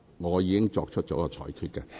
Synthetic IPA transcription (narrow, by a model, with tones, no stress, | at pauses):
ŋɔː˨˧jiː˨˧kɪ˥ŋt͡sɔː˧k̚t͡ʃʰɵ˥t̚t͡sɔ˨˥kɔː˧t͡ʃʰɔ̰ː˨˩jkʰyː˧t̚kɐ˧